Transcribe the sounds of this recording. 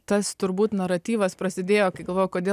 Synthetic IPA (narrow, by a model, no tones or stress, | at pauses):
t̪ɐst̪ʊɾbuːt̪nɐɾɐt̪ʲiːʋɐspɾɐsʲɪd̪ʲeːjoːkɐɪɡɐlˠʋoːjkoːd̪ʲeː